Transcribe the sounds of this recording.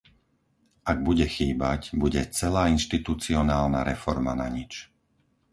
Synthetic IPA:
ʔaɡ̚buɟɛxiːbacbuɟɛt͡sɛlaːinʃt̪it̪ut͡siɔnaːlna̰ɾɛfɔɾmanaɲit͡ʃ

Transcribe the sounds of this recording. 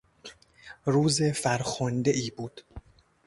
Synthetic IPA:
ɾuːze̞fæɾxond̪eʔiːbuːd̪̥

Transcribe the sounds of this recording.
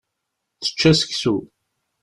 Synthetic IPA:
θə̥t͡ʃːæsə̥ksu

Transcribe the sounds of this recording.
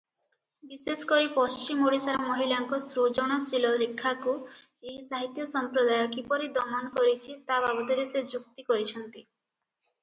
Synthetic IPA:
bisesɔ̥kɔɾipɔst͡ʃimoɽisaɾɔmɔɦilaŋkɔsɾod͡ʒɔɽ̃ɔsilɔlekʰːaku | eɦisaɦit̪jɔsɔmpɾɔd̪ajɔkipɔɾid̪ɔmanɔkɔɾit͡ʃʰit̪ababɔt̪iɾesed͡ʒuk̚t̪ikɔɾit͡ʃʰɔnt̪i

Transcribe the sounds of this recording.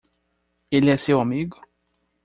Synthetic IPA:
elɪɛsewamiɡʊ

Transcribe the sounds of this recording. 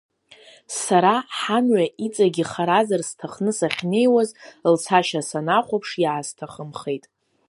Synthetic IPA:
saɾaħanɥait͡sʼaɡʲiχaɾazarstʰaχnɨsaχʲne̞jwazlt͡sʰaʃasanaχʷapʰʂjaːz̥tʰaχəmχejtʼ

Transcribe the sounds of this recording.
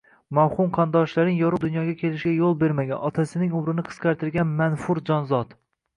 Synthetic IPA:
mawχʊmqʰɑnd̪ɒʃlaɾɪŋjɒɾʊd̪ʊnjɒɡʲakʲʰe̞lɪʃɡʲajolˠbe̞ɾmaɡʲa̰nʔɒt̪ʰasɪnɪŋʊmɾɪnɪqʰɨ̥sqʰɑɾt̪ɪɾɡʲanmanfʊɾd͡ʒɒnzɒt̪

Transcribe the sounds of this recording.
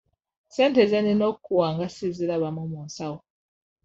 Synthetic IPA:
seːntezeninokːuwaːŋɡasizilaβamomoːnsawo

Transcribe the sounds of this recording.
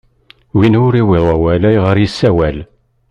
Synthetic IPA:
winʊɾiwɪðˤəwælæjʁəɾjisːæwæl

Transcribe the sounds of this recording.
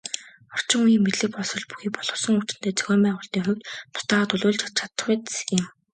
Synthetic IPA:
ɔr̥t͡ɕɪ̆ŋujiːmet̪ɮɘ̆k̚pɔɮsɞ̆ɮpu̥xiːkpɔɮ̥ɞ̆wsɞ̆ŋut͡ɕɪ̆n̥t̪ʰeːt͡sœɣʲœːmpæːʁʊːɬt̪iːŋχʊwʲt̪t̪ʰʊ̥t̪aːʁaːt̪ʊɮʊːɮt͡ɕʰat͡ɕʰat̪ə̆χet̪ɪ̆m

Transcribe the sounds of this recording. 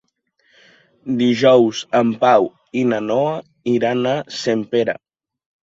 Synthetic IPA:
d̪iʒɔwzəmpaw | inanɔa | iɾanasempeɾa̰

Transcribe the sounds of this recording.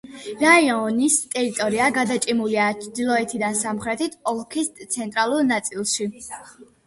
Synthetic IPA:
ɾaiɔnist̪ʼɛɾit̪ʼɔɾiaɡad̪at͡ʃʼimuliat͡ʃʰd̪ilˠɔɛt̪ʰid̪ansamχɾɛt̪ʰit̪ʰʼɔlˠkʰist̪sʰɛnt̪ʼɾalˠuɾnat̪sʼilˠʃi

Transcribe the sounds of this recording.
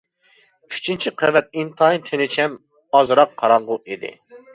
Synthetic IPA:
kʲʰy̥t͡ʃʰint͡ʃʰiqʰɛvɛt̪̚int̪ʰɑint̪ʰenɪt͡ʃʰɛm | ɑzɨɾɑqʰːɑɾɑɴʁʊid̪ɪ̰

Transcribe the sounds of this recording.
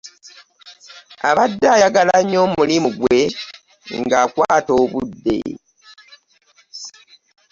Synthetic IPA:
a̰βadːajaɡalaɲo̞ːmulimuɡwe̞ | ŋɡaːkwaːto̞ːβudːe̞̰

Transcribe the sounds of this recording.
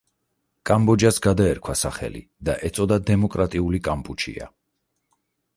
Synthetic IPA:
kʼambɔd͡ʒasɡad̪aɛɾkʰwasaχɛ̰lḭ | d̪aʔɛt̪sʼɔd̪ad̪ɛmɔkʼɾat̪ʼiulikʼampʼut͡ʃʰḭa̰

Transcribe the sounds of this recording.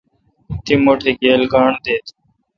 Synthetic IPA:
t̪iːmoːʈʰeːɡeːlɡaːɳd̪eːt̪

